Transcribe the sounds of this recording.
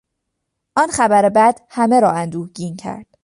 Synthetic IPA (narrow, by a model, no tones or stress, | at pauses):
ʔɒːnxæbæɾebæd̪̥hæme̞ɾɒːænd̪uːhɟiːncʰæ̰ɾd̪̥